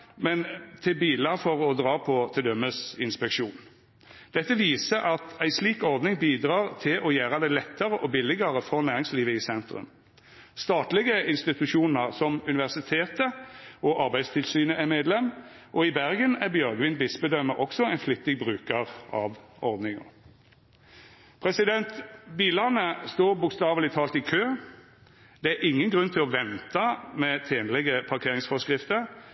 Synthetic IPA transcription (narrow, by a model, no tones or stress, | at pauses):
mɛnt̪ʰɪlbiːlɑfɔɾɔd̪ʁɑːpʰɔt̪ʰɪld̪œmːəsɪnspɛkʂuːn | d̪̥ɛt̪ːəʋiːsəɾʔɑt̪æɪsliːkɔʁd̪nɪŋbiːd̪ɾɑːʁt̪ʰɪlʔɔjæːɾəd̪ɛlɛt̪ːəɾəʔɔbɪlːɪɡəɾəfɔʁnæːɾɪŋsliːʋəɪsɛnt̪ɾʉ̰m | st̪ɑːt̪lɪɡəɪnst̪ɪt̪ʉʂuːnəʁsɔmʉnɪʋæʁsɪt̪ʰeːt̪əɔʔɑɾbæɪd̪st̪ʰɪlsyːnəʔæmeːd̪lɛm | ʔɔɪbæʁɡənæʁbjœɾɡʋɪnbɪsbəd̪œməʔɔksɔæɪnflʏt̪ːɪɡ̚bʁʉːkəʁɑ̰ʋ | ɔʁd̪nɪŋʊ̰ | pʰʁɛsɪd̪ɛnt̪biːlɑnəst̪oːʁbʊkst̪ɑːʋlɪt̪ʰɑːlt̪ɪkʰøː | d̪̥ɛæɪŋːənɡʁʉnt̪ʰɪlɔʋɛnt̪ɑmɛt̪ʰeːnəlɛɡəpʰɑʁkʰeːʁɪŋsfɔskʁɪft̪əʁ